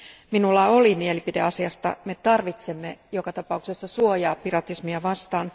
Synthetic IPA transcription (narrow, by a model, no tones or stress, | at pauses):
minulːɑo̞limielipide̞ɑsiɑst̪ɑ̰me̞t̪ɑrʋit̪semːejokɑt̪ɑpɑuksesːɑsuojɑːppirɑt̪ismiɑʋɑst̪ɑːn